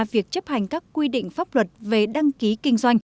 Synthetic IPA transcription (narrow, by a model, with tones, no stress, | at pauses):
vi˨˩ək̚t͡ɕə˦˥p̚ha˨˩jŋ̟kaː˦˥kːwi˧ɗḭ˧˨ŋ̟faː˦˥p̚lwə˨˩t̚ve˨˩ɗa˧ŋki˨˦kï˧ŋ̟zwa˧jŋ̟